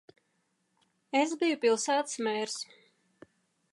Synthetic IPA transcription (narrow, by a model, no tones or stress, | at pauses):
esbijupilˠsæːt̪smɛːɾs